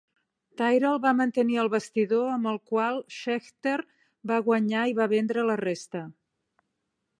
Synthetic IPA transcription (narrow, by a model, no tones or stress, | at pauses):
t̪ajɾalˠβamənt̪əniəlˠβəst̪iðoəmbəlˠkwalˠʃɛxt̪eɾ | baɣwəɲaiβaβɛnd̪ɾələrest̪ə